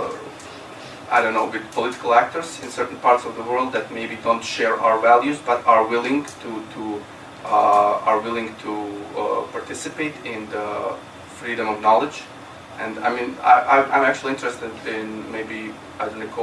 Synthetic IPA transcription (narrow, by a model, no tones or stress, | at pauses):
ʔa̰ɪdõʊ̃nːoʊwɪdpʰɔlɪtɪ̥kəl̩ˠæk̚tə˞zɪ̃nsɜ˞ʔn̩pʰɑɹtsɔvðəwɜ˞lˠd̪̚ðɨt̚meɪbidõʊ̃ntʃɛɹa̰ʊə˞vælˠjʉzbʌɾə˞wɪlˠɪ̃ŋtʰutʰu | ə˞wɪlˠɪ̃ŋtʰu | pʰɑɹtʰɪsɨpeɪtɪ̃nðə | fɹiɾə̃mɔvnɑlˠɪd͡ʒ | ʔɨ̃ndaɪmĩna̰ʔaɪãɪ̃mæk̚t͡ʃʉl̩ˠiɪ̃ntəɹɨstɨdɪ̃nmeɪbi | aɪdõnɪ̃kʰ